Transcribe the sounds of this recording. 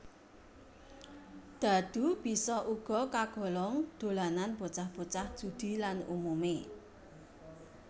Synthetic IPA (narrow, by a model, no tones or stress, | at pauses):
d̪̥a̤d̪̥ṳb̥i̤sɔʔuɡ̥ɔ̤kaɡ̥ɔ̤lɔŋd̪̥o̤lananb̥o̤t͡ʃahb̥o̤t͡ʃahʒ̥ṳd̪̥i̤lanṵmume